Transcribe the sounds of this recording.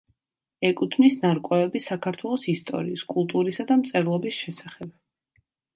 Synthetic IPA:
ɛkʼut̪ʰmnisnaɾkʼwɛvɛbisakʰaɾt̪ʰwɛlˠɔsist̪ʼɔ̰ɾiːskʼulˠt̪ʼuɾisad̪amt̪sʼɛɾlˠɔbisʃɛsḁχɛb̥̚

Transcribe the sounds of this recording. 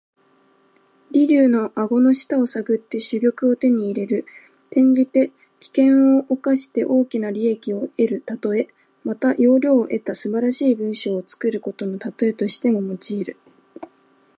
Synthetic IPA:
ɾʲiɾʲɨːno̞ʔaɡo̞no̞ɕi̥t̪ao̞saɡɯ̟t̪ːe̞ɕɨɾʲo̞kɯ̟ot̪e̞ɲ̟iːɾe̞ɾɯ̟ | t̪ẽ̞ɲ̟d͡ʑit̪e̞ | kʲi̥kẽ̞ɰ̃o̞ʔːkaɕi̥t̪e̞ʔo̞ːkʲinaɾʲie̞kʲio̞e̞ɾɯ̟t̪at̪o̞e̞ | mat̪ajo̞ːɾʲo̞ːʔe̞t̪asɨbaɾaɕiːbɯ̟̃ɰ̃ɕo̞ːt͡sɨ̥kɯ̟ɾɯ̟ko̞t̪o̞no̞t̪at̪o̞e̞t̪o̞ɕi̥t̪e̞mo̞mo̞t͡ɕiːɾɯ̟

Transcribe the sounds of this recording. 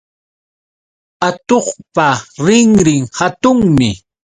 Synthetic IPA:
at̪oχpaɾɪŋɾɪŋhat̪ʊŋmɪ

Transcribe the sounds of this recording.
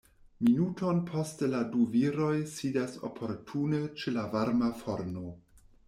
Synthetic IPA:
minuto̞npʰo̞steladuviɾo̞jsidaso̞̰pʰo̞ɾtʰunet͡ʃelavaɾmafo̞ɾno̞

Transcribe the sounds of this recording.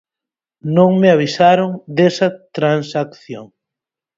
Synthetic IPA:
nõŋmeaβ̞isaɾoŋd̪esɐt̪ɾansakθjo̰ŋ

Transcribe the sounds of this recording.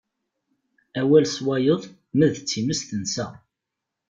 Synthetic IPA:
æwælswæjəðˤ | mæðət͡sːiməst̪ənsæ

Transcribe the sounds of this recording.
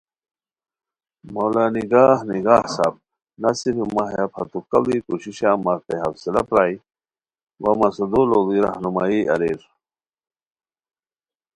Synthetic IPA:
moːlaːniɡaːhniɡaːhsab̚ | nasiɾimaɦjapʰɐt̪ukɐblikuɕiɕamaɾt̪eɦɐfsila̰pɾaːi | wɐmɐsud̪olobiɾa̰hnumaːiʔɐ̰ɾiɾ

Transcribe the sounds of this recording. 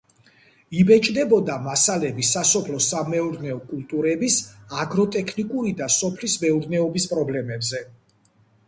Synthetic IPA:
ibɛt͡ʃʼd̪ɛbɔd̪amasalɛbisasɔpʰlɔsamɛuɾnɛɔkʼulˠt̪ʼuɾɛbisaɡɾɔt̪ʼɛkʰnikʼuɾid̪asɔpʰlismɛuɾnɛɔbispʼɾɔblɛmɛbzɛ

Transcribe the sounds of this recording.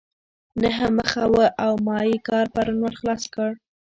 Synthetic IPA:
naɦəməxawəʔawmɑjikɑɾpaɾunwalxlɑskəɽ

